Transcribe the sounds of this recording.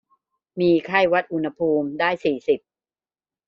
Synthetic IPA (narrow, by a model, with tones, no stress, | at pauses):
miː˧kʰa˥˩jwa˦˥t̪̚ʔu˧nha˧pʰuː˧mdaː˥˩jsiː˨˩si˨˩p̚